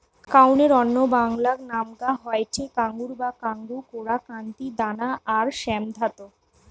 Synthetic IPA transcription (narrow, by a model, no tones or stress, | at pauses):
kawneɾɔnːobaŋlaknamɡaɦɔeʈʰekaŋɡuɾbakaŋɡukoɽakant̪id̪anaʔaɾʃɛmd̪ʱat̪o